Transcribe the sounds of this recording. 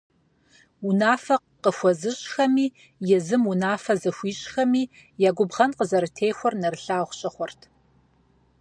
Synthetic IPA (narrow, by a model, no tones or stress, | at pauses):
unaːfɐ | qəxʷɔzɨɕʼxɐmiː | jɛzɨmunaːfɐzɐxʷiːɕʼxɐmiː | jaːɡʷʊbʁɐnqəzɐɾɨtʰejxʷɔrnɐrɨɬaːχʷɕʼɐχʷɔrtʰ